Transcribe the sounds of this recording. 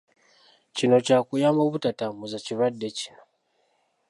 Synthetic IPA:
cino̞caːkujamoβutatamuzaciβadːeci̥no

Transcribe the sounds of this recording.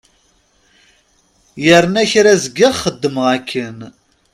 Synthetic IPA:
jəɾnæçɾæzəɡːəʁχəd̪ːəməʁækʰːən

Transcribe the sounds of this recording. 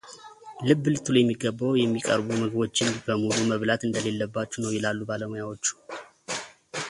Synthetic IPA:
lɨbːlɨt̪ʰːuljɛmːiɡːəbːəwjɛmːikʼə̰ɾbuməɡbo̞t͡ʃːɪnbəmuluməβlat̪ɨnd̪əle̞lːəbːat͡ʃːunəwjɪlalːubaləmojawo̞t͡ʃːu̥

